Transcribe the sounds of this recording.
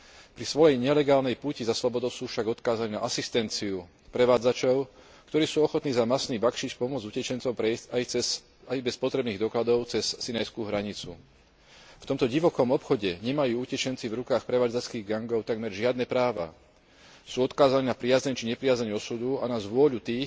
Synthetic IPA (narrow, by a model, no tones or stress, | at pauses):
pɾisʋɔjɛjɲɛlɛɡaːlnɛjpuːcizaslɔbɔd̪ɔʊsuːfʃaɡɔt̪kaːzaniːna̰ʔasist̪ɛnt͡siu | pɾɛʋaːd͡zat͡ʃɔʊ | kt̪ɔɾiːsuːɔxɔt̪niːzamasniːbakʃiːt͡ʃpɔmʊɔd͡zucɛt͡ʃɛnt͡sɔʊpɾɛcajɛs | ajbɛspɔt̪ɾɛbniːɣd̪ɔklad̪ɔʊt͡sɛsːinajskuːɦɾaɲit͡sṵ | ft̪ɔmt̪ɔɟiʋɔkɔmɔpxɔɟɛɲɛmajuːucɛt͡ʃɛnt͡sivɾukaːxpɾɛʋaːd͡zat͡skiːɣɡaŋɡɔʊt̪aɡmɛɾʒɪad̪nɛpɾaːʋa̰ | suːɔt̪kaːzaniːnapɾɪazɲɛɲt͡ʃiɲɛpɾɪazaɲuɔsud̪uanazʋʊɔʎut̪iːx